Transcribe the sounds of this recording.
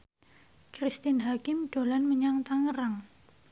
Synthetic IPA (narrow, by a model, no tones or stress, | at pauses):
kɾist̪ɪnɦakɪmɖ̥o̤lanməɲaŋt̪aŋəɾaŋ